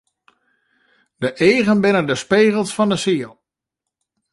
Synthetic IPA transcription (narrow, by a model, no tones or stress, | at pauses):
d̥əʔeːɣənbɪnədəspeːɣəlˠsfɑndəsiəlˠ